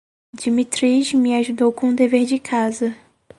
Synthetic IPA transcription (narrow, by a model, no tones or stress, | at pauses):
d͡ʒimit̪ɾiʃmɪaʒud̪owkõũd̪eveɾd͡ʒɪkʰazɐ